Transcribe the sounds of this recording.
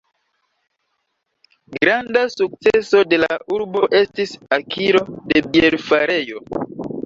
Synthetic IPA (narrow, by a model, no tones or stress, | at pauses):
ɡɾandasuk̚t͡seso̞de̞la̰uɾbo̞ʔe̞stisakʰiɾo̞de̞bielfaɾe̞jo̞